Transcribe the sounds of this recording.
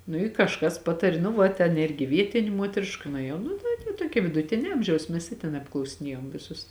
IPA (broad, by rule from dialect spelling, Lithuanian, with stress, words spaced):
nʊ ɪ kɐʃˈkɐs ˈpɑːtɐrʲɪ nʊ ˈʋɐ tʲɛn ˈɪrʲɡʲɪ ˈʋʲiɛtʲɪnʲeː ˈmuɔtʲrʲɪʃkɐ nʊeːˈjɛʊ ˈnʊ tɐɪ tʲɛ ˈtuɔkʲɛ ʋʲɪdʊˈtʲɪnʲɛ ˈɐmʲʒʲɛʊs ˈmʲɛs ɪ tʲɛn ɐpklˠɐʊsʲɪˈnʲiɛjoːm ˈʋʲɪsʊs